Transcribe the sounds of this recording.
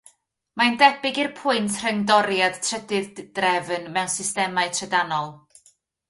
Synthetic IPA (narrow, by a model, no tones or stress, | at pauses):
mandɛbɪɡirpʰʊɨntʰr̥əŋdɔɾjad̥tʰrədɪðd̥rɛvnmɛwnsɪstɛmaɨtʰrədanɔlˠ